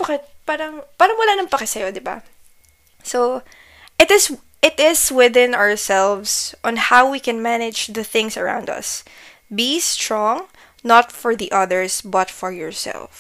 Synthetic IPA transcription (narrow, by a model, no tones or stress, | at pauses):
bakɛt̪̚paːɾɐŋpaːɾɐŋwɐlaːnɐŋpɐkɛsɐjod̪ɪba̰ | so | ʔɪt̪ɪs | ɪt̪ɪswɪðɪ̃nɔɹsɛlvsʔɔ̃nhawwikɛ̃nmænɪd͡ʒðɐθɪ̃ŋsɐɹã̰w̃nd̪ɐ̰s | bist̪ɹɔ̃ŋ | nɐt̪fɔɹðiʔʌðɛɹsbɐt̪fɔɹjɔɹsɛ̰lf